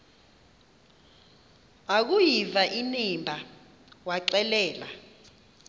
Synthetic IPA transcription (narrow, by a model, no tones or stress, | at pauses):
ak̬ujivaʔinimbʱa | waǀɛlɛːla̰